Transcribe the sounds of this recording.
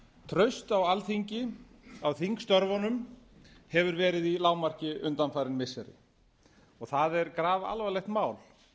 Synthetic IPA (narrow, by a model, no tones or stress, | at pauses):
t̪ʰɾœɥst̪awalθiɲcɪ | awθiŋkst̪œɾvɔnʏm | hɛvʏɾvɛːɾɪðilaːwmar̥cɪʔʏnt̪anfajɾɪnmɪsɛɾɪ̰ | ɔɣθaðɛɾkɾaːva̰lvalɛxt̪maːwl